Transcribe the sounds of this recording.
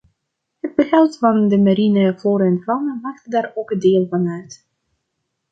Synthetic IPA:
həd̚bəɣɛlˠtfɑndəmaɾinəvoːɾɛnvɔwnəmaːχtdaːɹowkədɪːlˠvɑnœɥt

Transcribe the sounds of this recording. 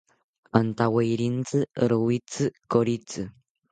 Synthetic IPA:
ant̪awejɾint͡sɨɾowit͡sɨkoɾit͡sɨ

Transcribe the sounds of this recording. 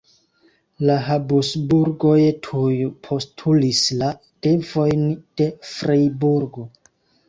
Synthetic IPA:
laɦabusbuɾɡo̞jtʰujpʰo̞stʰulisla | d̥e̞vo̞jnd̥e̞fɾejbuɾɡo̞

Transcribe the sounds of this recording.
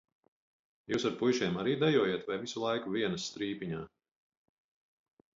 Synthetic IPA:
juːsaɾpujʃiɛmaɾiːd̪ajuɔːjeɛt̪vajvisulˠajkuviɛnɐsːt̪ɾiːpiɲaː

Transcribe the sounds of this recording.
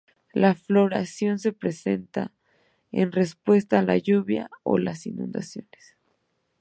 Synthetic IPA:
laflo̞ɾasjo̞ns̬e̞pɾe̞se̞nt̪a | ḛnre̞spwe̞st̪aːla̰ʝuβja̰o̞̰lasinũnd̪asjo̞̰nes

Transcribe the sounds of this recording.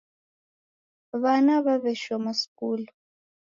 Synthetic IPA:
βanaβaβɛʃɔmɔsi̥kuːlu

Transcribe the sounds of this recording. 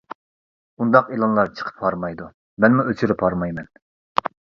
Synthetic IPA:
und̪ɑqelˠɑnlˠɑɾt͡ʃʰə̥qʰə̥pʰhɑɾmɑjd̪u | mɛnmuøt͡ʃʰyɾɪpʰɑɾmɑjmɛn

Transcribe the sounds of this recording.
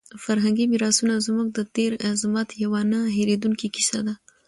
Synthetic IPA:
faɾɦaŋɡimiɾɑsunazmuɡ̚d̪ət̪eɾzmat̪jawanaɦeɾed̪uŋkiki̥sa̰d̪a

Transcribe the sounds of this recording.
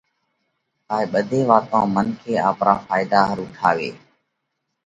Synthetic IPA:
kaːeːɓəd̪ʱeːʋaːt̪ãːmənkʰeːa̰ːpɾaːfaːɪd̪aːɦəɾʊʈʰaːʋḛː

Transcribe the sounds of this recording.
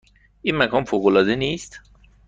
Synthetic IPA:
ʔiːnmækʰɒːnfoːɣolɒːd̪eniːst̪

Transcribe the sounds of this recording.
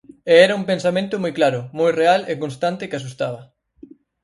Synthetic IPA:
eɛɾɐumpẽnsamẽnt̪ʊmojklaɾʊmojrealekonst̪ant̪ɪkɪasust̪aβɐ

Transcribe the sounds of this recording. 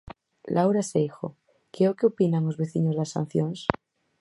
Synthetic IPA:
lʔawɾasejxo̰ | keokeopinaŋozβe̞θiɲozðasã̰n̟θjoŋs

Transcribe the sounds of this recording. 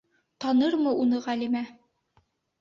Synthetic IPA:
t̪ɑnɤɾmɤunɤʁælimæ

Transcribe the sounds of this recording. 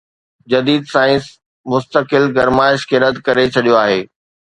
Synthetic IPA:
d͡ʑɐd̪iːd̪saːɪ̃s | mʊst̪əkɪlɡɐɾmaːɪʃkeːɾət̪kɐɾet͡ɕʰɐɗijoaːɦeː

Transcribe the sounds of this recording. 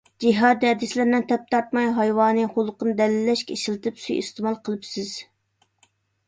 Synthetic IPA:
d͡ʒiɦɑd̪ɛd̪ɪslɪɾnɨnt̪ʰɛp̚t̪ʰɑɾt̪mɑjɦɑjwɑːnɨχolˠəqənɨd̪ɛlɪlːɛʃkʲɛiʃilˠɨt̪ʰɨpsy̰jḭst̪ɨmɑlˠqʰəlˠɨpsɪz̥

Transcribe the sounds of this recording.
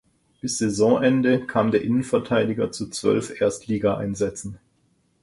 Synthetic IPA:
b̥ɪsz̥ezɔ̃ʔɛndəkʰaːmdeːɐʔɪnənfɛɐtʰaɪdɪɡɐt͡sut͡sv̥œ̰lfʔeːɐstliːɡaʔa̰ɪnzɛt͡sn̩

